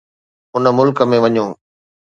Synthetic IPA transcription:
ʊnə̆mʊlkə̆mẽʋɐɲõː

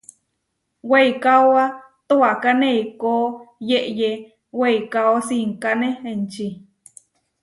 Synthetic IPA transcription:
weikawa | t̪uakaneikoːjeʔje | weikaosiŋkaneent͡ʃi

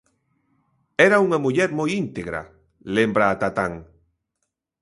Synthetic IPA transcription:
ɛɾauŋamuʎeɾmojint̪eɣɾa̰ | lembɾaːt̪at̪aŋ

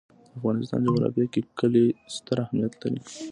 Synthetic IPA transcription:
d̪əafɣɑnɪst̪ɑ̰nd͡ʒawaɾɑ̰fjakekəlest̪əɾahmijat̪laɾḭ

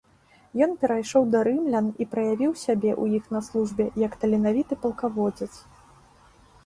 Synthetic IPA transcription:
jɔnpʲɛɾajʂɔwd̪ɐɾɨmlʲɐnipɾɐjavʲiwsʲabʲɛʔujixnɐslˠuʐbʲɛjɐkt̪ɐlʲinavʲit̪ɨpɐlˠkavɔd͡zʲɛt̪s

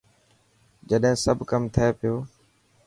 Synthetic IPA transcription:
d͡ʒəɗɦẽːsəbʱkəmt̪ʰɪeːpɪjoː

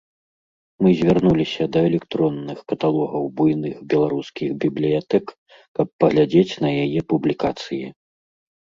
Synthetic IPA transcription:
mɨzʲvʲarnulʲisʲɐd̪ɐɛlʲɛkt̪ɾɔnːɨxkɐt̪alˠɔɣɐwbujnɨxbʲɛlˠaɾuskʲiɣbʲiblʲijat̪ɛk | kɐpːɐɣlʲad͡zʲet͡sʲnɐjajɛpublʲikat̪sɨji

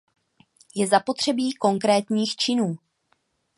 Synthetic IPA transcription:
jɛzapo̞t̪r̝̥ɛbiːko̞ŋkɾɛːt̪ɲiːxt͡ʃɪnuː

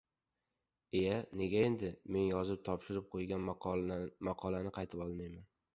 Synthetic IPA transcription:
e̞jane̞ɡʲae̞nd̪ɪme̞njɒzɪp̚t̪ʰɒpʃɪɾɪp̚qʰojɡʲan | mɑqʰɒlanɪqʰɑjt̪ʰɪpɒlˠmajman

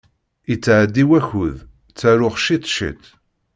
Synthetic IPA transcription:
it͡sːʕd̪ːiwæçuð | t͡sːæɾʊχʃit̪ˤʃḭt̪

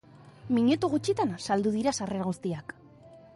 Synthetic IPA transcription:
miɲet̪uɣut͡ʃit̪ansald̪uð̞iɾasare̞ɾaɣ̞ust̪iak

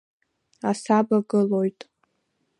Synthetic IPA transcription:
asabaɡɨlo̞jtʼ

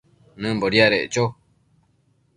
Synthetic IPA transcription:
nɨ̃mboɾiaɾeʔt͡ʃo

